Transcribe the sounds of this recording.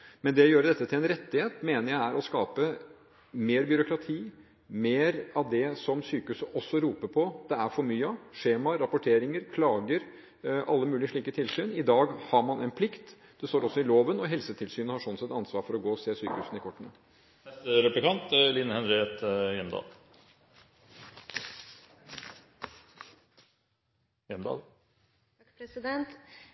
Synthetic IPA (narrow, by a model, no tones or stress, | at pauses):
mɛnd̪ɛɔjøːɾəd̪ɛt̪ːət̪ʰɪlɛnɾɛt̪ːɪheːt̪meːnəɾjæɪæɾʔɔskɑːpə | meːɾbʏɾʊkɾɑt̪ʰiː | meːɾɑʋd̪ɛsɔmsyːkəʉːsəʔɔsːɔɾuːpəpʰɔd̪̥ɛæɾfɔɾmyːəʂeːmɑɾɑpʊʈʰeːɾɪŋəɾkʰlɑːɡəɾ | ʔɑlːəmʉːlɪəʂɭiːkət̪ʰɪlsyːnɪd̪ɑːɡhɑɾmɑnɛnpʰlɪkt̪ | d̪̥ɛst̪oːɾɔsːɔɪloːʋənɔɦɛlsət̪ʰɪlsyːnəhɑʂɔnsɛt̪ːɑnsʋɑːɾfɔɾɔɡoːseːsyːkəhʉːsn̩ɪkʰɔʈːənə | ɛst̪əɾɛplɪkʰɑnt̪linːhɛnɾeːt̪jɛmd̪ɑ̰ː | jɛmd̪ɑ̰ː | pɾɛsɪd̪ɛnt̪